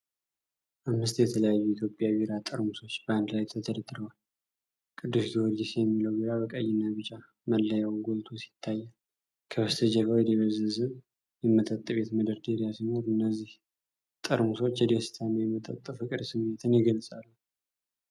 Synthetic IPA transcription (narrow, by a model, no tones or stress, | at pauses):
ʔamːɨst̪jɛt̪ʰələjajːuit̪jo̞pʼjawiɾat̪ʼɨɾmuso̞t͡ʃːbəand̪lajt̪ʰət̪ʰəd̪əd̪ɾəwal | kʼɨd̪ːɨst̪iwɔɾd͡ʒɪsjɛmːiləwbiɾaβəkʼəjːɪnːaβɨt͡ʃʼːa | məlːəjawɡolt̪ʰosi̥t̪ʰːajːa | kʰəβəst̪ʰəd͡ʒəkajd̪eβəzəzɨ | jɛmːət̪ʼət̪ʼːɨβe̞t̪məd̪əɾd̪eɾjasɨməɾɨnːəzːih | t̪ʼəɾmuso̞t͡ʃːjɛd̪est̪ʰanojɛmːət̪ʼə̰t̪ʼːɨfɨkʼɨd̪sɨmːet̪ʰɨnjɪɡəlsʼalːu